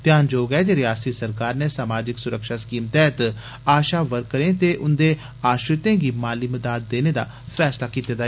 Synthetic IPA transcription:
t̪ɪjaːnd͡ʒoːɡɛːd͡ʒeɾɪjaːst̪iːsəɾkaːɾneːsaːmaːd͡ʒɪksʊɾəkʃaːskiːmt̪ɛːt̪ | aːʃaːʋəɾkːəɾẽːt̪eːʔʊnd̪eː | aːʃɾɪt̪ẽːɡiːmaːliːməd̪aːd̪̚ːeːneːd̪a̰ː | pʰɛːslaːkiːt̪eːd̪aː

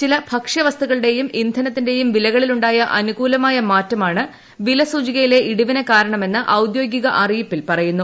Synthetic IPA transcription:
t͡ɕilɐbʱɐkʂɐʋɐst̪uɣɐɭɨɽe̞jumind̪ʱɐnɐt̪ːinde̞jumʋilɐɣɐɭiluɳɖaːjɐʔɐnuɣuːlɐmaːjɐmaːtːɐmaːɳɨ | ʋilɐsuːd͡ʑiɣɐjile̞ʔiɽuʋinɐkaːɾɐɳɐme̞nːɨʔɐwd̪jo̞ːɡjiɣɐʔɐrijɐpːilpɐrɐjunːu

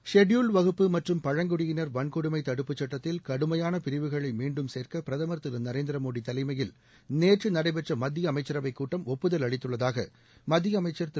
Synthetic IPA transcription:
ʂɛɖjuːlʋɐɣɯpːɯmɐʈrɯmpɐɻɐŋɡʊɽɪjɪnɐɾʋɐɳkɔɽɯmɐɪt̪ɐɽɯpːɯt͡ʃːɐʈːɐt̪ːɪlkɐɽɯmɐjaːnɐpɪɾɪʋɯɣɐɭɐɪmiːɳɖɯmseːɾkɐpɪɾɐðɐmɐɾt̪ɯɾɐnɐɾeːnd̪ɪɾɐmoːɽit̪ɐlɐɪmɐjɪl | neːʈrɯnɐɽɐɪbɛʈrɐmɐd̪ːɪjɐmɐɪt͡ʃːɐɾɐʋɐɪkːuːʈːɐmɔpːɯðɐlɐɻɪt̪ːɯɭːɐðaːɣɐ | mɐd̪ːɪjɐːmɐɪt͡ʃːɐɾt̪

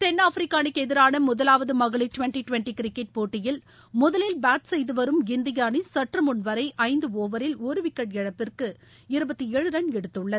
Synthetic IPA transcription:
t̪ɛnːaːfɾɪkːaːnɪkːɛðɪɾaːnɐmʊðɐlaːʋɐðɯmɐɣɐɭɪʈʊʋɛɳʈiʈʋɛɳʈikɾɪkːɛʈ̚poːʈːɪjɪl | mʊðɐlɪlbaːʈsɛjðɯʋɐɾɯmɪnd̪ɪjaːnisɐʈːrɐmʊnʋɐɾɐɪʔɐɪnd̪ɯoːʋɐɾɪloːɾɯʋɪkːɐɽɛɻɐpːɪrkɯ | ɪɾɯbɐt̪ːieːɻɯɾɐɳɛɽɯt̪ːɯɭːɐ

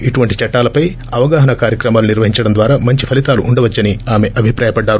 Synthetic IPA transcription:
iʈuʋɐɳʈit͡ʃɐʈːaːlɐpɐj | ɐʋɐɡaːɦɐnɐkaːɾjɐkɾɐmaːluniɾʋɐɦiɲt͡ʃɐɽɐnd̪ʋaːɾaːmɐɲt͡ʃipʰɐlit̪aːluʔːɳɖɐʋɐt͡ʃːɐniaːme̞ʔɐbʱipɾaːjɐpɐɖːaːɾu

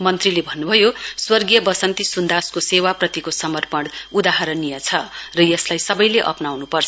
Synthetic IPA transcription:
mʌnt̪rilebʱʌnːubʱʌjoswʌrɡijʌbʌsʌnt̪isund̪askosewaprʌt̪ikosʌmʌrpʌɽud̪aɦaɾʌnijʌt͡sʰʌrʌjʌslajsʌbʌjleʔʌ̰pnawnupʌrt͡sʰʌ

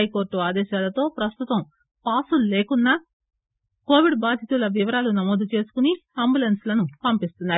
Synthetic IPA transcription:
ɐjko̞ːɾʈːuaːd̪ɛːʃaːlɐt̪o̞ːpɾɐst̪ut̪ɐm | paːsulle̞ːkunːɐ | ko̞ːʋiɖbaːd̪ʱjɐt̪ulɐʋiʋɐɾaːlunɐmoːd̪ut͡ʃe̞ːsu̥kuniɐmbulenslɐnupɐmpist̪unːaːɾu

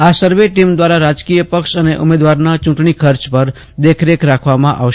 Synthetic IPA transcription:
asəɾʋeʈimd̪ʋaɾaɾad͡ʒkijəpəkʃəneʔʊmed̪ʋaɾnat͡ʃʊ̃ʈɳikʰəɾt͡ʃpəɾ | d̪ekʰɾekɾakʰʋamãʔa̰ʋʃ

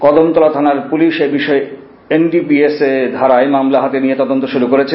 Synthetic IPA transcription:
kɔd̪omt̪ɔlat̪ʰanaɾpuliʃebiʃɔe | enɖipiesed̪ʱaɾajmamlaɦat̪enijet̪ɔd̪ont̪oʃuɾukoɾet͡ɕʰe

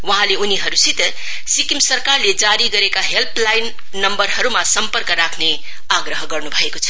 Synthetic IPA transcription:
wʌɦãleuniɦʌɾusit̪ | sikimsʌrkarled͡zaɾiɡʌɾekaɦelpʰlajnː | ʌmbʌɾɦʌɾumasʌmpʌrkʌɾakʰne | aɡɾʌɦʌɡʌrnubʱʌekot͡sʰʌ̥

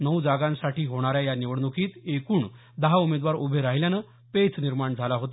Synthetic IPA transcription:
nəwd͡zaɡãnsaʈiːɦoɽ̃aɾjajaniʋəɽnukʰiːt̪ekuːɳ | d̪əɦaumed̪ʋaɾubʱeɾaɦiljanə | pet͡sniɾmaɳd͡zʱalaɦot̪a

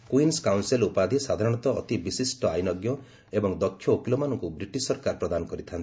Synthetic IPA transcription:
kuinskawnselupad̪ʱisad̪ʱaɾɔɽ̃ɔt̪ɔːt̪ibisisʈɔajnɔɡjɔ | ebɔŋd̪ɔkʰːjɔokilɔmanɔŋkubɾiʈisɔɾkaɾpɾɔd̪anɔkɔɾit̪ʰant̪ʰi

